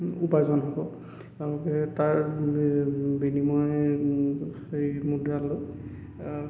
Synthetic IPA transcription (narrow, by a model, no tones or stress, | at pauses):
upajzɔnɦakɔ | tɛʊ̃lɔkɛtaɹ | benimɔj | ejmudɹalo